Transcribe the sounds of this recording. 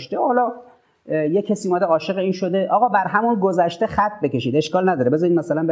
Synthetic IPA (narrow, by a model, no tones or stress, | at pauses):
ʃt̪ehɒːlɒː | jecʰːæsiːumæd̪eɒːʃe̞ɣeiːnʃod̪e̞ʔɒːɣɒːbæɾɦæmunɡozæʃt̪eχæt̪ʰːbe̞ke̞ʃiːd̪e̞ʃkɒːlnæd̪ɒːɾebe̞zɒɾid̪mæsælænbe